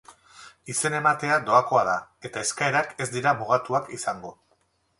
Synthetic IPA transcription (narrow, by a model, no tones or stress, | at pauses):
ise̞ne̞mat̪e̞ad̪o̞ako̞aðae̞t̪aeskae̞ɾake̞zd̪iɾamuɣat̪uakisaŋɡo̞